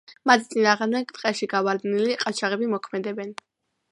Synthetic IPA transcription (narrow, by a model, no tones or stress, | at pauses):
mat̪ʰt̪sʼinaːʁmd̪ɛɡt̪ʼqʼɛʃiɡavaɾd̪niliqʼat͡ʃʰaʁɛbimɔkʰmɛd̪ɛbɛn